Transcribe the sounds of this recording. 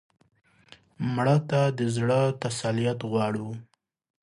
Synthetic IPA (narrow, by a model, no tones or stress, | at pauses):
mɽət̪ad̪əzɽət̪asalijat̪ɣwɑɽu